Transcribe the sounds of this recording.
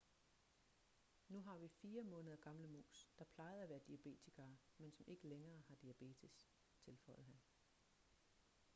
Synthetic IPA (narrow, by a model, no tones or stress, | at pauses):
nuɦɑ̈ʋifiːɐmɔ̽ːnəð̞ˠɐɡ̥ɑ̈mləmo̰ːsd̥ɑ̈pʰlɑ̈ɪðˠæʋæːɐd̥iæb̥e̝̰ːt͡sʰiɡ̥ɐːmensɒ̽mʔe̝ɡ̥əleŋɐːhɑ̈d̥iæb̥e̝̰ːt͡sʰis | t͡sʰe̝lfɒ̽ɪð̩ˠɦæn